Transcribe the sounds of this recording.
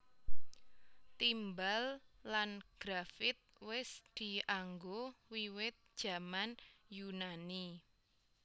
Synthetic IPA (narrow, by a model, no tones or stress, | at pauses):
t̪imbalːanɡ̥ɾafɪt̪̚wɪsd̪̥i̤aŋɡowiwɪt̪̚d̥ʒ̥a̤manjunani